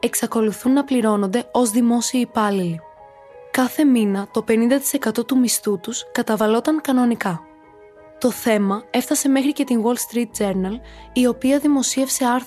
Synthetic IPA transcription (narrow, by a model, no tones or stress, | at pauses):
e̞ksɐko̞luθunːɐpliɾo̞no̞nd̪e̞o̞zðimo̞siɐipɐlili | kɐθe̞minɐt̪o̞pe̞nind̪ɐt̪i̥se̞kɐt̪o̞t̪umist̪ut̪uskɐt̪ɐvɐlo̞t̪ɐŋkɐno̞nikɐ | t̪o̞θe̞mɐe̞fθɐse̞me̞xɾice̞t̪iŋwo̞lst̪ɾit̪̚d͡ze̞ɾnɐlio̞piɐðimo̞sie̞fse̞ɐɾ